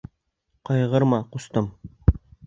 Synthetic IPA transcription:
qɑjʁɤ̆ɾmɑqust̪ɤm

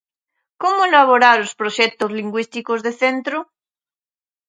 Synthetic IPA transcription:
komoelaβ̞oɾaɾospɾoʃek̚t̪ozliŋɡwist̪ikozðeθent̪ɾo

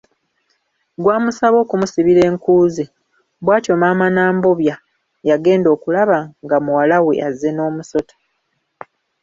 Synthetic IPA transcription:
ɡwaːmusaβo̞ːkumusiβiɾe̞ːŋkuːzi | bwaːto̞maːmanaːmbo̞βja | jaɡe̞ːndo̞ːkulaβaŋɡamuwalawḛʔaze̞no̞ːmuso̞tʰḁ

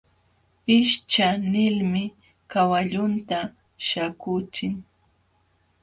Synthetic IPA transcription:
ɪʃt͡ʃanɪlmɪ | kawaʎʊnt̪a | ʃakʊt͡ʃɪŋ

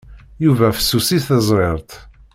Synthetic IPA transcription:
juvæfə̥sːusisθæzˤɾeɾˤt̪

